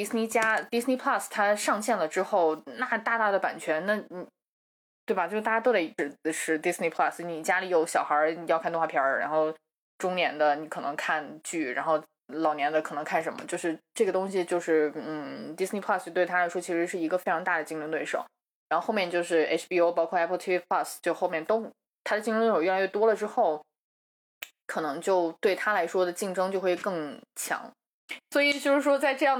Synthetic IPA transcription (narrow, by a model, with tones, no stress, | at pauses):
i˥sni˥t͡ɕja˥t̪i˥sni˥pʰla˥˩st̪ʰa˥ʂɑ˥˧ŋɕjɛ˥˩nlə˩ʈ͡ʂɻ̩˥xo˥˩ʊna˥˩˧t̪a˥˧t̪a˥˩d̪ə˩pa̰˨˩nt͡ɕʰɥɛ˧˥nna˥˩n˨˩ | t̪we˥˩ɪba˩t͡ɕjo˥˧ʊʂt̪a˥˩ja˥t̪o˥d̪a˧˩i˧˥ʈ͡ʂɻ̩˧˩˧ʂɻ̩˥˩t̪i˥sni˥pʰla˥˩sni˨˩t͡ɕja˥li˨˩jo˨˧˩ʊɕjɑ˨˩ʊxɐ˞˧˥i˨jɑ˥˧kʰa˥˧nt̪ŋwa˥pʰjɑ̰˧˥ɻa̰˧˥nxo˥˩ʊ | ʈ͡ʂʊ˥ŋnjɛ˧˥nd̪ə˧ni˧˥kʰɤ˨˩nɤ̰˧˥ŋkʰa˥˧nt͡ɕy˥˩ɻa̰˧˥nxo˥˩ʊ | lɑ˨˩ʊnjɛ˧˥nd̪ə˧kʰɤ˨˩nɤ˧˥ŋkʰa˥˩nʂə˧˥nmə̰˧t͡ɕjo˥˧ʊʂɻ̩˥˧ʈ͡ʂɤ˥˩ɡə˩t̪ʊ˥ŋɕ̬i˨t͡ɕjo˥˧ʊʂɻ̩˥˩n̩˥˩t̪i˥sni˥pʰla˥˩st͡ɕjo˥˧t̪we˥˩ɪtʰa˥la˧˥ɪʂwɔ˥t͡ɕʰi˧˥ʂɻ̩˧˥ʂɻ̩˥˩i˧˥ɡə˧fe˥ɪʈ͡ʂʰɑ˧˥ŋt̪a˥˩d̪ə˩t͡ɕi˥˧ŋlu˧˥ŋt̪we˥˩ɪʂo̰˨˩˦ʊ | ɻa˧˥xo˥˧xo˥˧ʊjɛ˥˧nt͡ɕjo˥˧ʊʂɻ̩˥˩ḛ˥ʂʰpi˥o˥ʊpɑ˥ʊkʰwɔ˥˧ɛ˥pʰt̪ʰi˥pʰla˥˩st͡ɕjo˥˧ʊxo˥˧ʊmjɛ˥˩nt̪o˥ʊ | t̪ʰa˥d̪ə˧t͡ɕi˥˧˥n˥˩o˨˩˥la˧˥ɥɛ˥˩t̪wɔ˥lə˨ʈ͡ʂɻ̩˥xo˥˩ʊ | kʰɤ˨˩nɤ˧˥ŋt͡ɕjo˥˧ʊt̪we˥˩ɪt̪ʰa˥la˧˥ɪʂwɔ˥d̪ə˨t͡ɕi˥˩ŋʈ͡ʂɤ˥ŋt͡ɕjo˥˧ʊxwe˥˧ɪkɤ˥˩ŋt͡ɕʰjɑ̰˧˥ŋ | swɔ˧˥i˨˩t͡ɕjo˥˧ʊʂɻ̩˥˩ʂwɔ˥t͡sa˥˧ɪʈ͡ʂɤ˥˧jɑ˥˩ŋ